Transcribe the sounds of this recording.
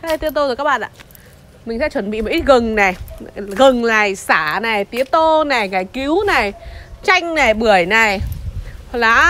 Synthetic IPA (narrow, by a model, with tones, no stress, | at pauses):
t̪nt̪o˧zkaː˦˥ɓa̰ː˧˨nʔa̰ː˧ | mï˨˩ŋ̟sɛ̰˧˥t͡ɕwə˧˩nɓḭ˧˨m˨˩ʔi˦˥t̚ɣə˨˩ŋna˨˩jɣə˨˩ŋlaː˨˩jsaː˧˩na˨˩jt̪i˨˦ət̪o˧na˨˩jɣaː˧˩jki˨˦wna˨˩jt͡ɕa˧jŋ̟na˨˩jɓɨ˧˩əjna˨˩j | laː˨˦